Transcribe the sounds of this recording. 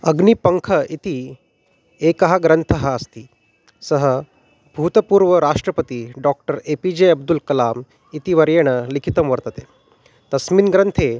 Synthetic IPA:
əɡnipəŋkʰəit̪i | ekəɦaɡɾənt̪ʰəɦaːst̪iː | səɦə | bʱut̪əpuːɾʋəɾaʂʈɾəpət̪iːɖɔk̚ʈəɾepid͡ʑeɐb̚d̪ulkɐlam | it̪iʋɐɾjeɽ̃əlikʰit̪əmʋəɾt̪ət̪e | t̪ɐsmiːnɡɾənt̪ʰe

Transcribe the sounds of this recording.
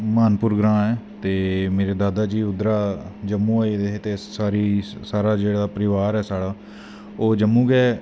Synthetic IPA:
maːnpʊɾɡɾãːɛːt̪eːmeːɾeːd̪aːd̪aːd͡ʒiːʊd̪ɾaːd͡ʒəmːũːaːid̪et̪eːsaːɾiːsaːɾaːd͡ʒeːɽaːpəɾɪʋaːɾɛːsaːɽaː | oːd͡ʒəmːũːɡɛː

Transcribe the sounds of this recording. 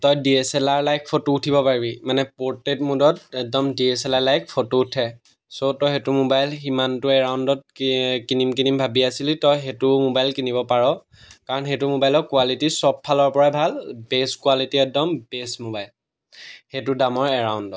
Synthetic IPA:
tɔjdiesɛlaɹlajkʰpʰotoutʰibɔpaɹibimanɛpoɹtet̚mudɔtɛk̚dɔmdiesɛlalajkʰpʰotoutʰɛ | sotɔjxetʊmobajlximantʊɛɹawndɔt̚kinimkinimbʱabiasilitɔjxetʊmobajlkinibɔpaɹɔ | kaɹɔnxetʊmobajlɔkuwalitisɔb̚pʰːalɔɹpɔɹabʱalbeskuwalitiɛk̚dɔmbesmobajl | xetʊdamɔɹɛɹawndɔt

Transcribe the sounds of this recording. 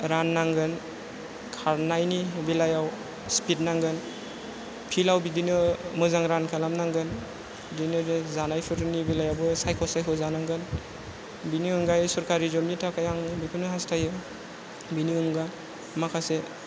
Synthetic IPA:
ɾanːaŋɡɯn | kʰaɾnajnibilajaw | spit̚naŋɡɯn | pʰilawbidinɯmɯzaŋɾankʰalamnaŋɡɯn | bdinɯɯzanajpʰɯɾɯnibilajawbɯsajkʰɔsajkʰɔzanaŋɡɯn | biniɯŋɡajsɔɾkaɾizomnitʰakʰajaŋbikʰɯnɯɦastʰajɯ | biniɯŋɡan | makʰase

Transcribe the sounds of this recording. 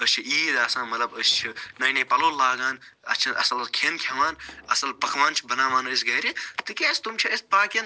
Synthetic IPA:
əst͡ʃʰiiːd̪aːsãːmɐt̪lɐbəst͡ʃʰinɐjneːpɐloːlːaːɡãːn | ɐ̰st͡ʃʰɐnɐsɐlɐkʰenkʰʲɐʋãːnɐsɐlpɐkʰʋãːnt͡ʃʰibɐnaːmaːnɐsɡɐːɾit̪ɨkʲest̪umt͡ʃʰiɐspaːkin

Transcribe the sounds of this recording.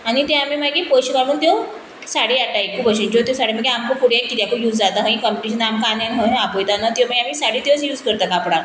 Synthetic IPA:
anit̪eamiːmaɡipəɕkamuːnt̪jow | saɽiaʈ̪aekʰːuːpəɕeɲt͡ɕot̪josaɽ̤iməɡeamkəkuɽjakːit̪jakupjuːd͡zd͡zat̪aɦə̃ĩkəmpiʈiɕənamkanjaniɦə̃apojt̪anat̪joməɡamiːsaɽiːt̪eot͡sjuːd͡zkəɾt̪akapɽa

